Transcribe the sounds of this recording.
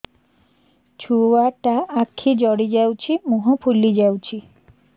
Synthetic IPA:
t͡ɕʰuaʈaakʰːid͡ʒɔɽid͡ʒawt͡ɕʰimuɦupʰulːid͡ʒawt͡ɕʰi

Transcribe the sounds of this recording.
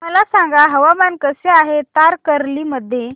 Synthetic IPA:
məlasaŋɡaɦəʋamankəseaɦet̪aɾkəɾliːməd̪ʱːje

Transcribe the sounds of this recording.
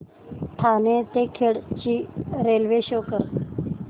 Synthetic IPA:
ʈʰanẽt̪ekʰeɭt͡ɕiːɾelʋeɕokəɾ

